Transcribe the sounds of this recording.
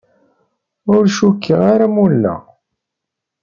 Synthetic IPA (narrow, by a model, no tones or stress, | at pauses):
ʊɾʃukːəʁaɾamulːæ̰